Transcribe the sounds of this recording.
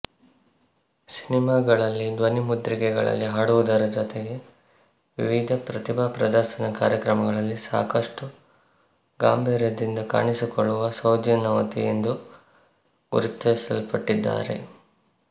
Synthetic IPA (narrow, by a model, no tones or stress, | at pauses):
sinimaːɡɐɭɐlːid̪ʋɐnimud̪ɾiɡɛɡɐɭɐ̰lːiɦaːɽuʋud̪ɐɾɐd͡ʒɔt̪ɛɡe̞ | ʋiʋid̪ʱɐpɾɐt̪ibʱaːpɾɐd̪ɐɾsɐnɐka̰ːɾjɐkɾɐmɐɡɐɭɐlːisa̰ːkɐʂʈu | ɡaːmbʱiːɾjɐd̪ind̪ɐka̰ːɳisikɔɭːuʋɐsɐwd͡ʒɐnɐʋɐt̪ḭjend̪u | ɡṵɾut̪ːɐsɐlpɐʈːid̪ːa̰ːɾe̞̰